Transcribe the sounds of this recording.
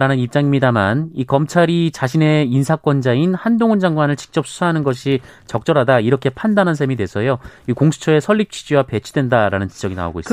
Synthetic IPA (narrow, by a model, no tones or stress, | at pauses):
ɾanɯnip̚t͡ɕ͈aŋimɲidamanikʌmt͡ɕʰaɾit͡ɕaɕʰine̞insʰak͈wʌnd͡ʑainhandoŋɯnd͡ʑaŋɡwanɯɭt͡ɕi̥k̚t͡ɕ͈ʌp̚s͈ʰu̥sʰaɦanɯnɡʌɕʰi | t͡ɕʌk̚t͡ɕ͈ʌɾɦadaiɾʌkʰe̞pʰandanɦans̬ʰe̞midwe̞sʰʌjoikoŋsʰu̥t͡ɕʰʌe̞sʰʌɭːip̚t͡ɕʰid͡ʑiwape̞t͡ɕʰud̥wendaɾanɯnt͡ɕid͡ʑʌɡina̰o̰ɡo̰is